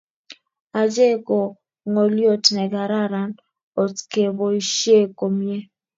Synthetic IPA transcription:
a˨d͡ʒe˦˨ko˨ | ŋo˨ljo˦˨tnɛ˨ɡa˨ɾa˦ɾa˨˦n | o˨tke˨bo˨i˨ʃje˦˨ko˨m˦e˦

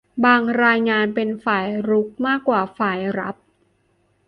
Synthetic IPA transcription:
baː˧ŋɾaː˧jŋaː˧npe˧nfaː˨˩jɾu˦˥k̚maː˥˩kːwaː˨˩faː˨˩jɾa̰˦˥p̚

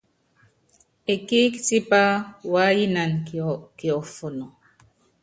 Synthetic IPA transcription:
e˨ki˦kti˦pa˦wa˦ji˦na˨nkɔ˨ki˨ɔ˨fo˨nɔ˨

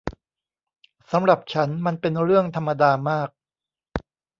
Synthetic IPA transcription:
sa˩˦mɾa˨˩p̚t͡ɕʰa˦˥nma˧npe˧nɾɯ˥˩əŋt̪ʰa˧mːa˧daː˧maː˥˩k̚

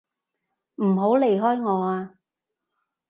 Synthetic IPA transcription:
m̩˨˩ɦo˨˥wle˨jɦɔː˥jŋɔː˨˧aː˧

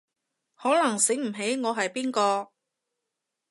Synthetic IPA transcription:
hɔː˨˥lɐ˨˩ŋsɪ˨˥ŋm̩˨˩ɦe˨˥jŋɔː˨˧ɦɐ˨jpiː˥nkɔː˧

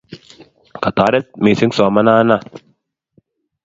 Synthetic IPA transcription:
ka˨t̪aː˨˦ɾɛ˦t̪̚miː˨˧˨si˨˦sɔ˨˦ma˦naː˦na˦˨

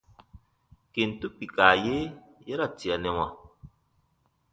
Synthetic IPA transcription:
ke˨n˨tu˦pi˨kaː˨je˦jɛ˦ɾa˦˨ti˨a˨nɛ˨wa˨

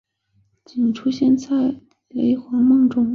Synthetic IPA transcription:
t͡ɕi˨˩nʈ͡ʂʰu˥ɕjɛ˥˧nt͡sa˥˩ɪ | le˧˥ɪxwɑ˧˥ŋmɤ˥˧ŋʈ͡ʂʊ˥ŋ

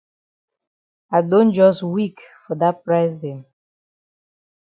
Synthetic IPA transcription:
a˨ɪdõ˦nd͡ʒɔ˦swi˦kfɔ˨da˦t̚pɹaɪs̬dɛ̃˨m

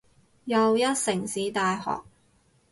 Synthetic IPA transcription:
jɐ˨˧wjɐ˥t̚sɪ˨˩ŋsiː˨˥t̪aː˧jhɔ̰ː˨˩k̚

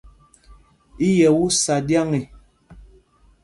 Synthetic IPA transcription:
i˦jɛ˨wu˦sa˨dja˦ŋi˨

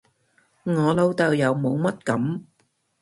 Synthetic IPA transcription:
ŋɔː˨˧lo˧wt̪ɐ˨wjɐ˨˧wmo˨˧wmɐ˥t̚kɐ˨˥m

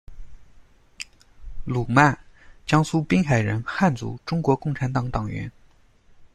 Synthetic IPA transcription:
lu˨˩ma˥˩nt͡ɕjɑ˥ŋsu˥pi˥ŋxa˨˩ɪɻə˧˥nxa˥˩nt͡sṵ˧˥ʈ͡ʂʊ˥ŋkwɔ˧˥kʊ˥˩ŋʈ͡ʂʰa˧˥nt̪ɑ˨˩ŋt̪ɑ˨˩ŋɥɛ̰˧˥n

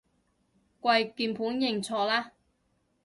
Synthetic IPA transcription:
kʷɐ˧jkiː˧npʰuː˨˥njɪ˨˩ŋt͡sʰɔː˧laː˥

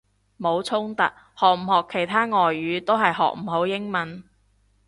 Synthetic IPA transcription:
mo˨˧wt͡sʰʊ˥ŋt̪ɐ˨k̚ | hɔː˨k̚m̩˨˩hɔː˨kʰːe˨˩jt̪ʰaː˥ŋɔː˨jːyː˨˧t̪o˥wɦɐ˨jɦɔ̰ː˨k̚m̩˨˩ho˨˥wjɪ˥ŋmɐ˨˥n

